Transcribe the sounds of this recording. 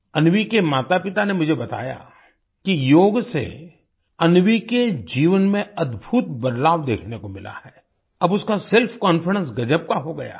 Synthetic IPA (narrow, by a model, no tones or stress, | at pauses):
ɐnʋikemaːt̪apɪt̪anemʊd͡ʒʱebɐt̪a̰ːja̰ | kijoːɡsḛ | ɐnʋiked͡ʒiːʋənmẽɐd̪bʱut̪bɐd̪laːʋd̪ḛːkʰnekomɪlʔa̰hɛː | ɐbʊskasɪlfʰkɔ̃ːnfəɽə̃ns̬ɡɐd͡ʒəb̚kaɦoɡɐja̰ː